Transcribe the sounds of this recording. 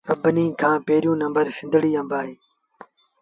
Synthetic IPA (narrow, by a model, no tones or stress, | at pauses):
əbəniːkʰãːpeːɾijũːnə̃mbəɾsɪ̃nd̪ʱəɽiːə̃mbaːɦeː